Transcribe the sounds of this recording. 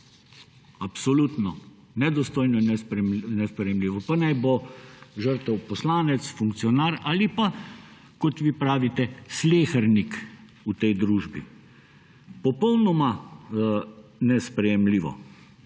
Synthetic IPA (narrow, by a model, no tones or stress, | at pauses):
apsɔlut̪nɔ | nɛd̪ɔst̪oːjnɔinɛnɛspɾɛjɛmliːʋɔpanajboʒəɾt̪ɛwpɔslaːnɛt̪sfuŋk̪̚sijɔnaːɾaːlipa | kɔt̪ʋiːpɾaːʋit̪ɛsleːxəɾnik | ut̪ɛjd̪ɾuːʒbḭ | pɔpɔwnɔma | nɛspɾɛjɛmliːʋɔ̰